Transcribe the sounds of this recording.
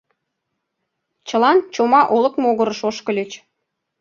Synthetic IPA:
t͡ɕə̆lɑnt͡ɕomɑʔolɤ̆kmoɣə̆ɾəʃoʃkə̆lʲet͡ɕ

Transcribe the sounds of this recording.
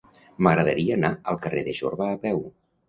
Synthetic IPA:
məɣɾəðə̰ɾiəːnaəlˠkəreðəʒo̰ɾβəːpɛw

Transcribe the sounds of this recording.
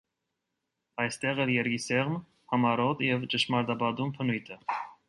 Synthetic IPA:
ɑjst̪ɛʁɛɾjɛɾɡisɛʁm | hɑmɑɾɔt̪jɛvt͡ʃəʃmɑɾd̪ɑbɑd̪umpʰənujt̪ʰə

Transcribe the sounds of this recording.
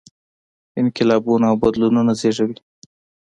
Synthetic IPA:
ɪnkɪlɑbunaawbad̪lununazeʐawi

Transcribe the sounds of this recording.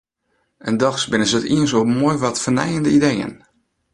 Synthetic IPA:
əndɔxsbɪnəzətiənsomojʋɔtfərnɛ̰jəndəidejə̰n

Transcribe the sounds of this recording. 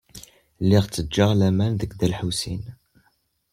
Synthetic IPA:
lːiʁt͡sːəd͡ʒːəʁlæmænðəkːd̪ælħusḭn

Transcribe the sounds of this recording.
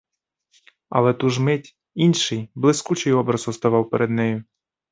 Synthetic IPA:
ɐ̰lˠɛt̪uʒmɪtʲ | inʲʃɪjblˠɪskut͡ʃɪjɔbɾɐzɔst̪ɐʋɑwpeɾʔed̪nɛjʊ

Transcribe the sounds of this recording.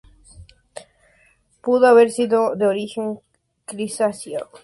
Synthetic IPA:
puðoaβeɾsiðod̪eoɾixeŋ | kɾisasja

